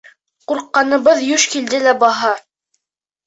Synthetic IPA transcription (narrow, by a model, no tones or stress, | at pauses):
quɾqːɑnɤ̆βɤðjɵʃkild̪ɘlæbɑɦɑ